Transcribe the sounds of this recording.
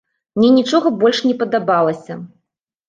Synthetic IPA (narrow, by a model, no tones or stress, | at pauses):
mnʲɛnʲit͡ʂɔɣɐbɔlʲʂnʲɛpɐd̪abalˠɐsʲɐ